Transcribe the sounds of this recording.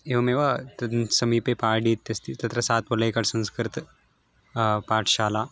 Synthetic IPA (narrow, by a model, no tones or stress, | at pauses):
eʋɐmeʋat̪ɐsɐmipepaːɖit̪ːɐst̪it̪ɐt̪ɾɐsaːt̪̚pɐlɐekɐʈsɐ̃nskɨɾt̪ | paːʈʰɕaːla